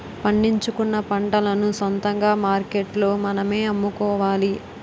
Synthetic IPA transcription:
pɐɳɖiɲt͡ʃukunːɐpɐɳɖɐlɐnusɐnt̪ɐŋɡaːmaːɾkeʈlo̞ːmɐnɐme̞ːɐmːukɔːʋaːli

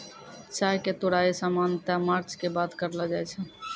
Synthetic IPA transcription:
t͡ʃaɦeket̪oɽaesamant̪amaɾt͡ʃkebat̪kəɾlad͡ʒajt͡ʃʰə

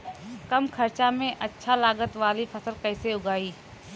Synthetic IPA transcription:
kɐmkʰɐɾt͡ʃamẽʔɐtːʃʰalaːɡət̪ʋaːlipʰɐsəlkɛːseʊɡaːiː

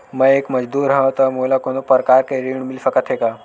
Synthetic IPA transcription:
məekməd͡ʒd̪uːɾɦə̃t̪əmulakonopəɾkaɾkeɾiɳ̃milsəkət̪ʰeka

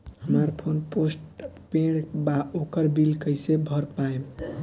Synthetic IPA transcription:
həməɾpʰonposʈpẽɽbaokəɾbilkəjsebʱʌɾpaem

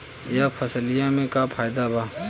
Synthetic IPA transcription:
japʰɐslɪjãmẽkapʰaːjd̪abaː

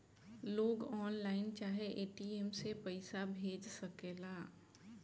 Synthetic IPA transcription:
loːɡɔːnlaːɪnt͡ʃaːɦeʔeːʈiːemsepəɪsabʱeːd͡ʒsəkeːlaː

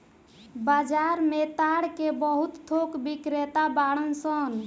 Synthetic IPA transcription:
bad͡ʒaɾmet̪aɽkebəɦut̪ːʰokbikɾet̪abaɽənsən

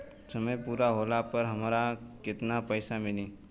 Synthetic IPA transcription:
səməjpuɾaɦoːlapəɾɦəmɾakɪt̪napəɪsamɪle

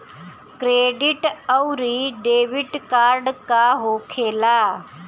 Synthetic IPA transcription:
kɾeːɖɪʈəʊɾiːɖeːʋɪʈkaːɾɖkaːɦoːkʰeːlaː

